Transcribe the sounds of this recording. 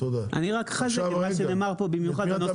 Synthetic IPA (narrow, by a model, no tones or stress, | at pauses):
oʔa̰niʁakχazekeaʃeneːmaʁpobimjuχadeno